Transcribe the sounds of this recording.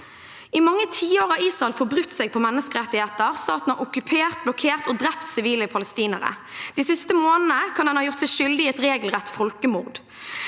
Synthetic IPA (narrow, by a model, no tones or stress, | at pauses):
ɪmɑŋːət̪ʰiːoːʁɑiːsʁɑɛlfɔbʁʉt̪ːsɛɡ̚pʰɔmɛnːəskəʁɛt̪ːɪheːt̪əʁst̪ɑːt̪n̩hɑʁʊkʉpʰeːʁt̪̚blɔkʰeːʁt̪oːd̪ʁɛpt̪sɪʋiːləpʰɑləst̪iːnəʁə̰ | d̪̥iːsɪst̪əmoːnənəkʰɑnɛnhɑːjʊʁt̪sɛɪʃʏld̪ɪɛt̪ʁeːɡlʁɛt̪ːfɔlkəmʊːʁd̪